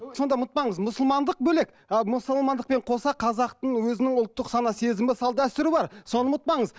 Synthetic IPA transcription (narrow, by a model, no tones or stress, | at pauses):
so̞nd̪ɑmʊt̪̚pɑɴəzmʊsʊlˠmɑnd̪əq̚bɵle̞k | mʊsˠmɑnd̪əqpe̞ɴqʰo̞sɑqʰɑzɑqt̪əɴwɵzɪnɪŋʊlˠt̪ːəqsɑnɑse̞zɪmɪsɑlˠd̪æst̪ɪɾɪbɑɾso̞nəmʊt̪̚pɑɴəz